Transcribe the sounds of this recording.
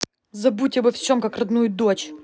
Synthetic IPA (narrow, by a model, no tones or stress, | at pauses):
zɐbutʲɪbɐfsʲomkɐkrɐd̪nujʊd̪ot͡ɕ